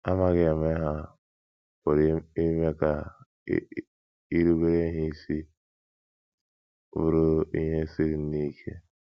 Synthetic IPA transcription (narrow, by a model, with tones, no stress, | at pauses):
a˦ma˦ɣe˨e˨me˦ɦa˦ | o˨ɾi˦me˦ka˨˦ | i˦ɾu˦ɡe˦ɾe˦ɦi˦si˦ | ṵ˦ɾo˦ḭ˦ɦe˦si˦ɾi˨n̩˦ni˦kʰe˦